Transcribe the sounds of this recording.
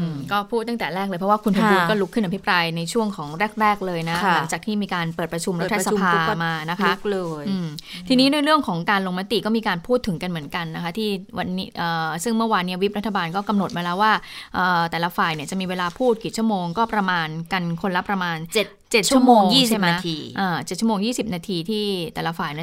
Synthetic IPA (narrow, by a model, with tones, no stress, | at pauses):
ʔɯ˧kɔː˥˩pʰuː˥˩t̪ːa˥˩ŋt̪ɛː˨˩ɾɛː˥˩k̚lːɤː˧jpʰɾɔ˦wːkʰu˧npʰa˧buː˧kɔː˥˩lu˦˥kʰːɯ˥˩nʔa˧pʰi˦˥pɾaː˧jna˧jt͡ɕʰu˥˩əŋkʰɔː˩˦ŋɾɛː˥˩k̚ɾɛː˥˩k̚lɤː˧jna˦˥la˩˦ŋt͡ɕaː˨˩k̚t̪ʰiː˥˩miː˧kaː˧npɤː˨˩t̪̚pɾa˧t͡ɕʰu˧mɾa˦˥t̪ʰːa˧sa˧pʰaː˧maː˧na˦˥kʰa˦˥k̚lːjʔːt̪ʰiː˧niː˦˥doː˧jɾɯ˥˩əŋkʰɔː˩˦ŋkaː˧nlo˧ŋma˦˥t̪i˨˩kɔ˥˩miː˧kaː˧npʰuː˥˩t̪ʰːɯ˨˩˦ŋka˧nmɯ˩˦ənka˧nːa˦kʰa˦˥t̪ʰiː˥˩wa˧nːi˦˥ʔəː˨˩sɯ˥˩ŋmɯ˥˩ɐwaː˧nːiː˦˥wi˦˥p̚ɾa˦˥t̪ʰːa˧baː˧nkɔː˥˩ka˧mno˨˩t̪̚ma˧lɛː˦˥waː˥˩ʔəː˨˩t̪ɛː˨˩la˦˥faː˨˩jni˧˩ɐt͡ɕa˨˩ʔmiː˧weː˧laː˧pʰuː˥˩t̪̚ki˨˩t͡ɕu˥˩əmoː˧ŋkɔː˥˩pɾa˧maː˧nka˧nkʰo˧nla˦˥pɾa˧maː˧nt͡ɕe˨˩t̪̚ | t͡ɕe˨˩t̪̚ʰu˥˩əmoː˧ŋjiː˥˩t͡ɕʰa˥˩mɛ˦˥t̪ʰi˧ʔaː˧˩t͡ɕe˨˩t̪t͡ɕʰu˥˩oː˧ŋjiː˥˩si˨˩p̚naː˧t̪ʰiː˧t̪ʰiː˥˩t̪ɛː˨˩la˦˥faː˨˩jni˧˩